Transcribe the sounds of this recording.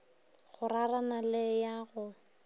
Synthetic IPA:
ɣʊraranalɪjaɣʊ

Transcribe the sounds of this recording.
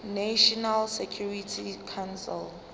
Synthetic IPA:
naʃɔnalsekʰjuritʰikʰansɛ̰l

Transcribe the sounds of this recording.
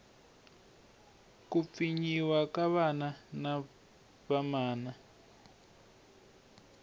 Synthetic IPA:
kufiɲiwakaβanana | βamaːna

